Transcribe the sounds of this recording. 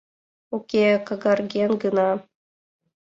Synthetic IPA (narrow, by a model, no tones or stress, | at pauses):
ukʲekɤ̆ɡɑrɡʲenɡɯnɑ